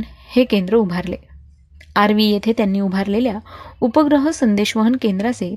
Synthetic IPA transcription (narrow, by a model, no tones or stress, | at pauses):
nhekẽnd̪ɾəubʱaɾle | aɾʋijet̪ʰet̪janːiːubʱaɾleljaupəɡɾəɦəsənd̪eɕʋəɦənkend̪ɾase